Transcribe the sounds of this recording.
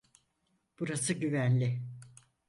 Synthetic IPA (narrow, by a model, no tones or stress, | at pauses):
b̥uɾasɯɟyvænlʲɪ